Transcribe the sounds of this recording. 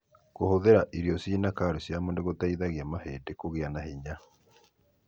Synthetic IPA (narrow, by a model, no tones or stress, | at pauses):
kohoðeɾaʔiɾiɔsiːnakaɾosjamoneɣotaiðaɣjamaheːdekoɣeanahiɲa